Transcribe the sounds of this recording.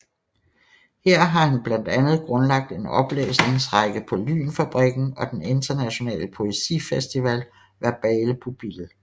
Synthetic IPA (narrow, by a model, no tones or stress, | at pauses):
heɐ̰ɦɑ̈hunb̥læn̰d̥ænð̞̩ˠɡ̥ʁɔ̽nlɑ̈ɡ̥̚d̥e̝nɒ̽b̥lḛːsne̝ŋsʁɑɡ̥əpʰɒ̽ly̰ːnfæb̥ʁiɡ̥n̩ɒ̽d̥ene̝nd̥ɐnæɕo̝nɛ̰ːləpʰo̝esḭfesd̥iʋɛ̰l | ʋæɐb̥ɛːləpʰob̥il